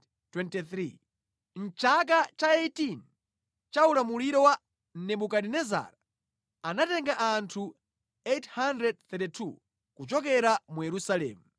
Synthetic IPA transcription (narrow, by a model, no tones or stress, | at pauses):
twɛntiθɾi | n̩t͡ʃak̬at͡ʃaɛjtin | t͡ʃaulamuliɾɔwa | n̩nɛɓukadinɛza̰ːɾa | anatɛŋɡaʔantʰu | ethandɾɛd̚θɛtitʰṵ | kut͡ʃɔk̬ɛɾamujɛɾusalɛ̰ːmu